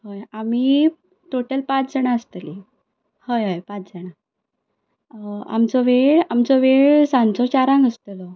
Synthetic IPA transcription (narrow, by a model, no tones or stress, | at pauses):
ɦəjamiː | t̪oʈəlpat͡sd͡zəɳaəst̪əli | həjɦəjpat͡sd͡zəɽa | a̰mt͡sɔʋeɭamt͡sɔʋeɭsãnt͡sɔt͡ɕaɾãŋɡəst̪əlɔ